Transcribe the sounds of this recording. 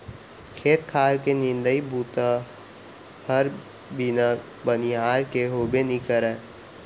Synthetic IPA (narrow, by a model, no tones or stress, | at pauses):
kʰeːt̪kʰaːɾkenɪ̃nd̪əibuːt̪ | həɾ | bɪn | bəniaːɾkeɦoːbenĩkəɾɛ̃ː